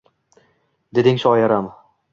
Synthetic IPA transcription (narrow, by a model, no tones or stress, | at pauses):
d̪e̞d̪ɪŋʃɒjaɾam